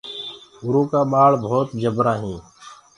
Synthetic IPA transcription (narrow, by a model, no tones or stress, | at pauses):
ʊɾũːkaːɓaːɭbʱoːt̪d͡ʒəbɾaːɦĩː